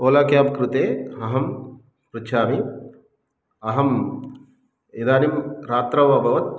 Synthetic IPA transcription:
oːlaːkjaːpkɾut̪eːɐɦɐm | pɾut͡ʃʰaːmi | ɐɦɐm | id̪aːnimɾaːt̪ɾɐʋɐbʱɐʋɐt̪̚

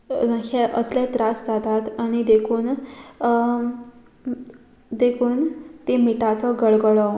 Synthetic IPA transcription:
nakʰeʔəslet̪ɾasd͡zat̪at̪aɽ̃id̪ekʰuːn | d̪ekʰuːnt̪emiʈat͡sɔɡəɭɡəɭɔ

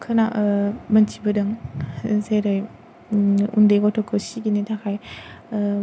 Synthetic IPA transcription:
kʰɯnamɐnt͡ʃʰibɯdɯŋ | zeɾɯj | ṵndeɡɔtʰɔkʰɯsiɡinitʰakʰaj

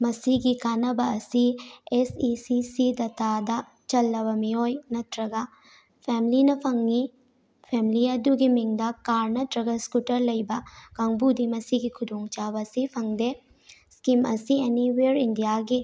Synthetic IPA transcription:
mɐsiɡikanɐbɐːsiesisisid̪ɐt̪ad̪ɐ | t͡ʃɐlːɐβɐmiojnɐt̪ɾɐɡɐ | pʰɛmlinɐpʰɐŋi | pʰɛmiliɐd̪uɡimiŋd̪ɐkaɾnɐt̪ɾɐɡɐskutɐɾlɐjbɐkɐŋbud̪imɐsiɡikʰud̪uŋt͡ʃaβɐsipʰɐŋd̪e | skimɐsieniweɾindijaɡi

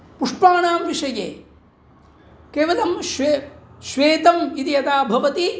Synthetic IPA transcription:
puʂpaːɳaːmʋiʂɐjḛː | keːʋɐlɐmʃʋeʃʋeːt̪ɐmit̪iɐt̪aːbʱɐʋɐt̪i

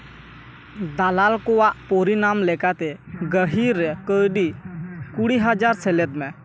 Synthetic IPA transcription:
d̪alalkɔwaʔpɔɾinamlɛkat̪ɛɡəɦiɾɛkəɖikuɽiɦad͡ʒaɾsɛlɛt̪̚mɛ

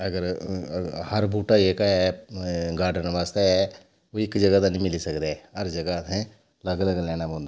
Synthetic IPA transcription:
əɡəɾ | həɾbuːʈaːeːkaɛːɡaːɾɖənʋaːst̪eɛː | oːɪkd͡ʒəɡaːd̪aːnĩːmɪliːsəkd̪eɛɦəɾd͡ʒəɡaːt̪ẽː | ləɡləɡlɛːnaːbõːnd̪aː

